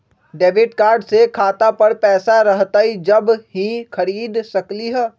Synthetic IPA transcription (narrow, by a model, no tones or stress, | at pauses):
ɖeːʋɪʈkaːɾɖsekʰaːt̪apɐɽpɛːsaɾɐɦt̪aid͡ʒɐbɦixʰɐɾiːd̪sɐkliɦɛː